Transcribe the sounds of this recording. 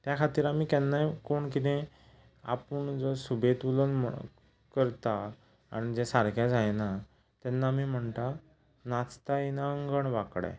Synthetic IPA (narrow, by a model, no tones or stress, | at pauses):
t̪jakʰat̪iːɾamiːkɛnːajkoɳkit̪ẽ | a̰pəɳd͡zɔsubʱet̪ʋulənmə̰ | kəɾt̪aː | ɽ̃id͡zesaɾkʰjad͡zajna | t̪jɛnːamiːm̤əɳt̪a | nat͡st̪ainaəŋɡəɳʋakɽa̰